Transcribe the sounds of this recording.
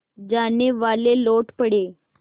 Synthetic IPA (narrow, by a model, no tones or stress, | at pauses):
d͡ʑaneʋaleloʈpəɽe